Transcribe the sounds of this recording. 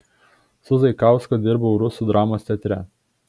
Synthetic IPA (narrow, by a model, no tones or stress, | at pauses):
sʊzɐɪkɑˑʊskod̪ʲɪɾbɐʊɾʊsuˑd̪ɾɑːmoːsʲt̪ʲɛt̪ʲɾʲɛ